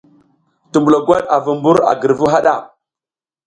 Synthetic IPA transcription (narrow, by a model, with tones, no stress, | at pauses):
tu˨mbu˨la˨ɡwa˦ɗa˨vu˨mbu˦ɾa̰˨ɡə˨ɾvu˦ɦa˦ɗa˦˨